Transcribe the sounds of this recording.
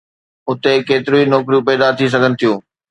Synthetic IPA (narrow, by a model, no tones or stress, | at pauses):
ʊt̪ekeːt̪ɪɾuinɔːkɾijũpɛːd̪at̪ʰis̬ɐɡʱənɪ̆t̪ʰijũː